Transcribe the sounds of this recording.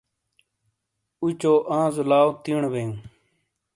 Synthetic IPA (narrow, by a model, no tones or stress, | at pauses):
ut͡ʃoːʔãːzʊlaːot̪iːɳʋẽːũː